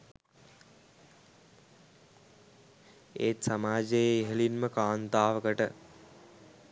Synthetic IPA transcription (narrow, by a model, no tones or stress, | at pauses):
ḛːt̪samaːd͡ʒəjeːɦelinməkaːnt̪aːʋəkəʈə